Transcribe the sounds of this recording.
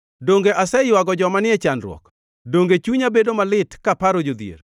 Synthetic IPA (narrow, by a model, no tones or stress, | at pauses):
doŋɡeʔasɛjwaɡɔd͡ʒɔmanɪɛt͡ʃanɾw̰ɔ̰k | doŋɡet͡ʃuɲabedomalɪtkapaɾod͡ʒod̪jḛr